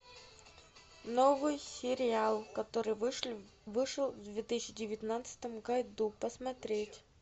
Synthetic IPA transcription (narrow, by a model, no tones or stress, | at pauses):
novɨjsʲɪɾʲɪalˠkɐt̪oɾɨj | vɨʂəlˠvd̪vʲet̪ɨsʲɪɕːɪdʲɪvʲɪt̪nat̪səɨ̥t̪əmɡɐjd̪upəsmɐt̪ɾʲetʲ